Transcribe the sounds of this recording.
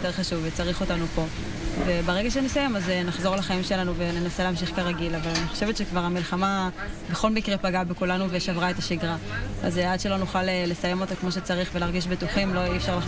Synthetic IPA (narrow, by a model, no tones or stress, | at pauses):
teʁχaʃuvːet͡saʁiχo̞tanupo̞ | ve̞baʁeɡaʃ̬enesaje̞mazenaχzo̞ʁlaχaimʃe̞lanuve̞ne̞naseleːmʃ̬iχkaʁaɡilavalaniχoʃe̞vet̪ʃekvaʁamilχama | beχo̞lmikʁepaɡabekulanuveʃavʁae̞taʃiɡʁaa̰zead̪ʃelonuχalele̞saje̞mo̞t̪akmo̞ʃ̬e̞t͡saʁiχvelaʁɡiʃbetuχimlo̞ifʃaʁla